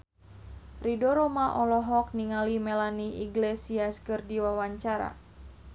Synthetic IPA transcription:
ridɔɾɔmaʔɔlɔɦɔk̚niŋalimɛlaniʔḭɡlesiaskɨrdiwawaɲt͡ʃaɾa̰

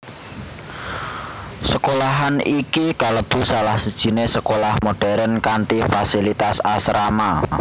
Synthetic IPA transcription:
səkolaɦanikikaləb̥ṳsalahsəd̥ʒ̥i̤nesəkolahmoɖ̥ɛ̤ɾənkant̪ifasilit̪asasɾama

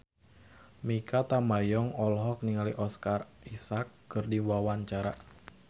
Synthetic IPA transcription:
mikat̪amajɔŋɔlɦɔk̚niŋaliʔɔskar | isakːɨrdiwawaɲt͡ʃaɾa

